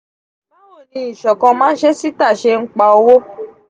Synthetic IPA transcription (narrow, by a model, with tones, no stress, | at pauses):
la˦wo˦˨nĩ˧i˨ʃɔ˨kɔ̃˧mãː˦n̩˦ʃe˦si˦ta˦˨ʃe˧ŋ̩˦k͡pa˧o˧wo˦